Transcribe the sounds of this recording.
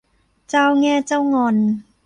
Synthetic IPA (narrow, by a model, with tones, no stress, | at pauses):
t͡sa˧wŋɛː˧˥t͡sa˧wŋɔː˨˧n